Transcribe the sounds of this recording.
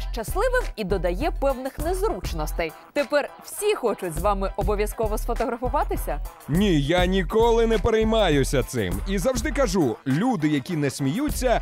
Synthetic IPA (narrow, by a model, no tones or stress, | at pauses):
ʃt͡ʃɐslˠɪʋɪmid̪ɔd̪ɐjɛpɛwnɪxnezɾut͡ʃnɔst̪ɛj | t̪epɛrw̥sʲixɔt͡ʃʊtʲzʋɑmɪʔɔbɔʋʲjɐskɔʋɔsfɔt̪ɔɦɾɐfʊʋɑt̪ɪsʲɐnʲijanʲikɔlˠɪnɛpeɾɛjmɑjʊsʲɐt̪sɪ̰mizɐwʒd̪ɪkɐʒulʲud̪ɪjɐkʲinɛsʲmʲijut͡sʲːɐ